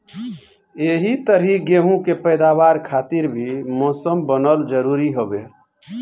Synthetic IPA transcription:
eɦit̪əɾiɡeɦũkepəjd̪aβaɾkʰat̪iɾbʱimɔsəmbənəld͡ʒəɾuɾiɦobe

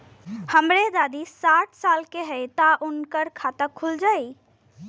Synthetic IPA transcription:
həmɾed̪ad̪isaːʈʰsaːlkeɦəjt̪aʔʊnkəɾkʰat̪əkʰːuld͡ʒai

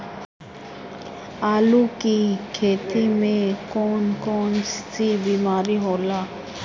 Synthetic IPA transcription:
aːlukikʰeːt̪imẽkɔːnkɔːnsibiːmaːɾiɦoːlaː

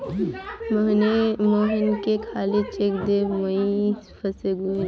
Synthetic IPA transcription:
mmoːɦɪnkekʰaːlit͡ʃekd̪eməipʰəseɡu

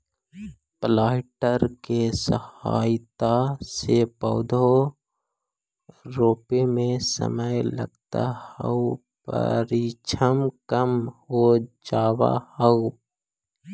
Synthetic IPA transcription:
plaːɪʈəɾkesəha̰ːɪt̪asepəʊd̪ʱo | ɾoːpemẽsə̰məjlə̰ɡt̪a̰hə̰u | pə̰ɾit͡ʃʰəmkəmhod͡ʒaːwa̰həʊ

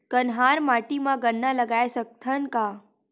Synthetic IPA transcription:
kənɦaːɾmaːʈimãɡəɳːaləɡaːesək̚t̪ʰənkaː

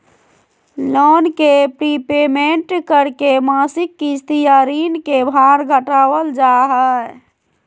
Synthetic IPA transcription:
lonkepɾipemeɳʈkəɾkemasikːist̪ijaɾinkebʱaɾɡʱəʈawəld͡ʒaɦɛ

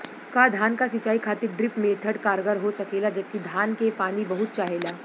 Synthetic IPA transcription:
kad̪ʱaːnkasɐt͡ʃaːikʰaːt̪ɪɾɖɾɪpmẽːt̪ʰəʈkaːɾɡəɾɦosɐkeːlad͡ʒɐb̚kid̪ʱaːnkepaːnibɐɦʊt̪̚t͡ʃaːɦeːlaː

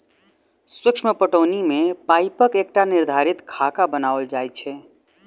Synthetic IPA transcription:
swikʃʰməpəʈəʊnimepaɪpəkek̚ʈaniɾd̪ʱaɾit̪kʰakabənaʋəld͡ʒajt͡ʃʰɛ

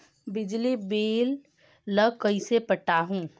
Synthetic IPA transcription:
bɪd͡ʒlibeːlː | əkɐisepəʈaːɦũː

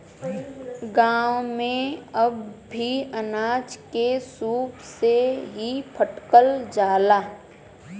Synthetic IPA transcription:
ɡaːwmẽəbːʱiənaːt͡ʃkesuːpseɦipʰəʈkəld͡ʒaːlaː

